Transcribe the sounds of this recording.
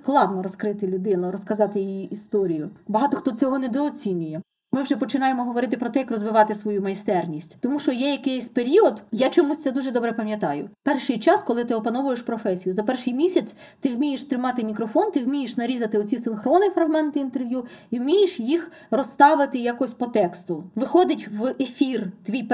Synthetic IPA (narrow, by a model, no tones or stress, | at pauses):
sklˠɑd̪nɔɾɔskɾɪt̪ɪlʲʊd̪ɪnʊɾɔskɐzɑt̪ɪjjiʔist̪ɔɾʲijʊbɐɦɑt̪ɔxt̪ɔt͡sʲɔɦɔnɛd̪ɔːt͡sʲinʲʊjɛ | mɪwʒɛpɔt͡ʃɪnɑjemɔɦɔʋɔɾɪt̪ɪpɾɔt̪ɛjɐkrɔzʋɪʋɑt̪ɪsʋɔjumɐjst̪ɛrnʲisʲtʲt̪ɔmuʃɔjɛjɐkɛjsʲpeɾʲiɔd̪jat͡ʃɔmusʲt̪ɛd̪uʒɛd̪ɔbɾɛpɐmʲjɐt̪ɑjʊ̰pɛrʃɪjt͡ʃɑskɔlˠɪt̪ɪɔpɐnɔʋʊjeʃpɾɔfɛsʲijʊzɐpɛrʃɪjmʲisʲɐt͡sʲ | t̪ɪwmʲijeʃt̪ɾɪmɑt̪ɪmʲikɾɔfɔnt̪ɪwmʲijeʃnɐɾʲizɐt̪ɪɔt͡sʲisɪnxɾɔnɪfɾɐɦmɛnt̪ɪint̪erʋjuiwmʲijɪʃjix | rɔst̪ɑʋɪt̪ɪjakɔɔsʲpɔt̪ɛkst̪ʊʋɪxɔd̪ɪtʲʋefʲirt̪ʋʲijp